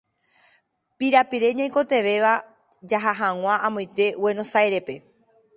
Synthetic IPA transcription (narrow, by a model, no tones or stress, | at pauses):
piɾapiɾe̞ɲãj̃ko̞t̪e̞ʋe̞ʋa | d͡ʒaɦaɦaŋw̃ʷãʔãmõj̃t̪e̞we̞nõ̞sajɾe̞pe̞